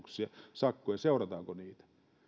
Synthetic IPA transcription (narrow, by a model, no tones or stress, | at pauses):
ksiɑsɑkːojɑseurɑt̪ɑːkoniːt̪æ̥